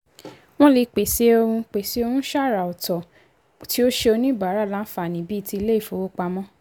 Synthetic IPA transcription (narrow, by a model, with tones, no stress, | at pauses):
w̃ɔ̃˦le˧k͡pe˨se˦o˧hũ˧k͡pe˨se˦o˧hũ˦ʃa˦˨ɾa˨ɔ˨tɔ˨ | ti˦o˦ʃe˧o˧nĩ˦ba˨˦ɾa˨˦˨lã˦fa˨nĩ˨˦bi˦˧ti˧i˧le˦i˦˨fo˨wo˦k͡pa˧mɔ̃˦